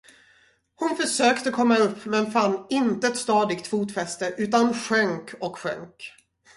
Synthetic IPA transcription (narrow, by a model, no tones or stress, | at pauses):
hʊnfœʂøːkt̪əkʰɔmːaɵpːmɛnfanːɪnt̪əɛt̪st̪ɑːd̪ɪɡkt̪fuːt̪fɛst̪əʔʉ̟ːt̪anɧœŋkɔkɧœ̰ŋk